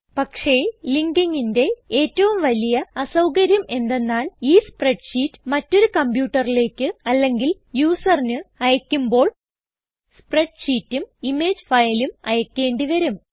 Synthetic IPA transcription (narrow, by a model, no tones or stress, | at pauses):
pɐkʂe̞liŋɡiŋːinde̞eːtːɐʋumʋɐlijɐɐsɐwkɐɾjɐme̞nd̪e̞nːaːliːspre̞ɖɕiːtːɨ̥mɐtːo̞ɾukɐmbjuːʈːɐrile̞ːkːɨɐlːe̞ŋɡil | juːsɐrinɨɐjɐkʲːumbo̞ːɭ | spre̞ɖɕiːtːumimeːd͡ʑfɐjlumɐjɐkʲːe̞ːɳɖiʋɐɾum